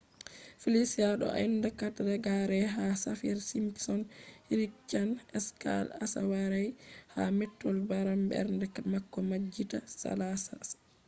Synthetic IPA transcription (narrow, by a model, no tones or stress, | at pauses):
filisiaɗɔ̰ʔindakatɾɛɡaɾɛɦasafiɾsimpsɔnhiɾikt͡ʃːanɛska̰lasa̰waɾajha̰mɛtːɔlbaɾambɛ̰ɾndɛmakːɔmad͡ʒːitasa̰lasa̰s